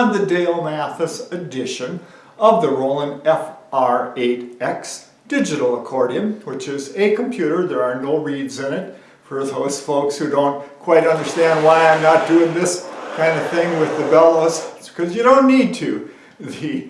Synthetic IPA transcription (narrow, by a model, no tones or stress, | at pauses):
nðɨdeɪlˠmæθɨsɨdɪʃɨ̃n | ʌvðɨɹoʊlˠə̃nɛfɑɹeɪɾɛks | d̥ɪd͡ʒɨɾl̩ˠəkʰɔɹɾiɨ̃mwɨt͡ʃɪzɨkʰə̃m̩pʰj̥ʉɾə˞ðə˞ə˞noʊɹidzɨ̃nɨt̚ | fə˞ðoʊz̥foʊkshʉdõʊ̃nkʰw̥aɪɾʌ̃ndə˞stæ̃nd̚waɪãɪ̃mnət̚d̥ʉɪ̃ŋðɪskʰãɪ̃ndʌ̥θɪ̃ŋwɪðɨbɛlˠos | kʰʌzjɨɾõʊ̃nːid̚tʰɨ | ðɨ